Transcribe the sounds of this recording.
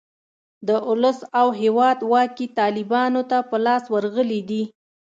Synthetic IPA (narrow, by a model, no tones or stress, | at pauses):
d̪əʔʊləsawɦewɑd̪wɑkit̪ɑlɪbɑnot̪apəlɑswəɾɣəlid̪i